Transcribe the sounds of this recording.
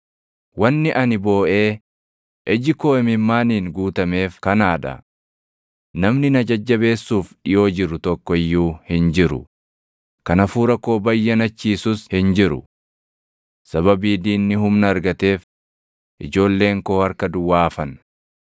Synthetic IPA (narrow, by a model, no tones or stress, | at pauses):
wɐnːɪʔɐnɪbo̞ːʔe̞ː | ʔɛd͡ʒɪko̞ːɪmɪmːaːniːŋɡuːt̪ɐme̞ːfkɐnaːᶑɐ̰ | nɐmnɪnɐd͡ʒɐd͡ʒːɐbe̞ːsːuːfᶑɪjo̞ːd͡ʒɪɾːʊt̪ɔkːɔɪjːuːhɪnd͡ʒɪɾʊ̰ | kɐnɐfuːɾɐkːo̞ːbɐjːɐnɐt͡ʃːiːsʊshɪnd͡ʒɪɾʊ̰ | sɐβɐbiːd̪iːnːɪɦʊmnɐːɾɡɐt̪e̞ːf | ʔɪd͡ʒo̞ːlːe̞ːŋkoːɐɾkɐd̪ʊwaːfɐn